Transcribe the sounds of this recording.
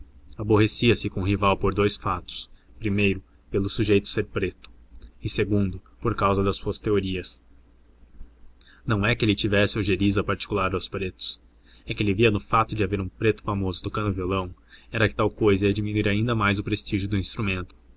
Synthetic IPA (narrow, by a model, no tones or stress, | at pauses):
aboɦesiɐsɪkõɦivawpoɾd̪ojsfat̪ʊ̥spɾimejɾʊ | pelʊsuʒejt̪ʊ̥seɾpɾet̪ʊ̥ɪseɡũnd̪ʊ | poɾkawzɐd̪ɐsːuɐst̪eoɾiɐs | nɐ̃w̃ɛkɪelɪt͡ʃivɛsɪawʒeɾizɐpaɾt͡ʃi̥kulaɾd̪awspɾet̪ʊ̥s | ɛkɪelɪviɐnʊfat̪ʊd͡ʒɪaveɾũpɾet̪ʊ̥famozʊt̪okɐ̃nd̪ʊvjolɐ̃w̃ɛɾɐkɪ̥t̪awkojzɐiɐd͡ʒiminuiɾaĩnd̪ɐmajzʊpɾest͡ʃiʒjʊd̪ʊĩst̪ɾumẽnt̪ʊ̥